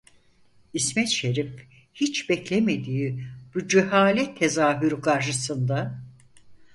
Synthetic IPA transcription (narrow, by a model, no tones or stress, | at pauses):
ismɛt̪ʃe̞ɾif | hit͡ʃbɛclʲeme̞d̪iːb̥ud͡ʒeɦaːlʲɛt̪ʰːe̞zaːɦyɾkʰaɾʃ̬ɯsɯnd̪a